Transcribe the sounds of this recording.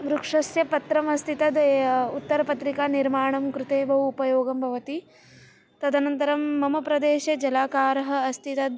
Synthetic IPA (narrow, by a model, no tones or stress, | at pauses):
ʋɾukʂɐsjɐpɐt̪ɾɐmɐst̪ʰit̪ɐd̪ut̪ːɐɾɐpɐt̪ɾikaniɾmaːɳɐmkɾut̪eːbʱɐʋuːpɐjoːɡɐmbʱɐʋɐt̪i | t̪ɐd̪ɐnɐnt̪ɐɾɐmːɐmɐpɾɐd̪eːʃɐd͡ʒɐlaːkaːɾɐɦɐ̆ɐst̪ʰit̪ɐd̪